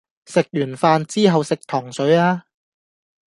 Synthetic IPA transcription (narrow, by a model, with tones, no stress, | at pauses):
sɪ˨k̚jyː˨˩nfaː˧nt͡siː˥ɦɐ˨wsɪ˨k̚t̪ʰɔː˨˩ŋsɵ˨˥ɥaː˥